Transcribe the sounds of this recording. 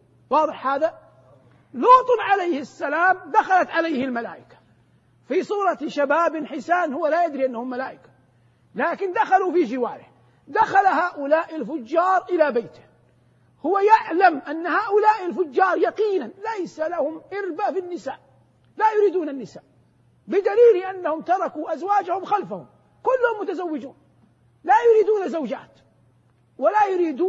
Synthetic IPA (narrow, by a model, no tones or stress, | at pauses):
wɑːðˤɨħhaːða | luːt̪ˤnʕalajhɪasːalaːmd̪axalat̪ʕalajhɪlmala̰ːʔɪkḁ | fisˤuːɾˤɑʃabaːbɪnħɪsaːnhʊwːalajad̪ɾiʔanːahʊmːalaːʔɪkḁ | laːkɪnd̪axalufid͡ʒɪwaːɾɪh | d̪axalaɦaːʔʊlaːʔɪlfʊd͡ʒːɑːɾˤʔɪlabajt̪ɪ̥h | hʊwajaʕlamʔanːahaːʔʊlaːʔɪlfʊd͡ʒːɑːɾˤjɑqiːnanlajsalahʊmʔɪɾbaʔfɪnːɪsa̰ːʔ | lajʊɾiːd̪uːnanːɪsa̰ːʔ | bɪd̪aliːlʔanːahʊmt̪ɑɾˤɑkuʔazwaːd͡ʒahʊmxalfahʊ̰m | kʊlːʊhʊmːʊt̪azawːɪd͡ʒuːn | lajʊɾiːd̪uːnazawd͡ʒa̰ːt̪ | walajʊɾiːd̪uː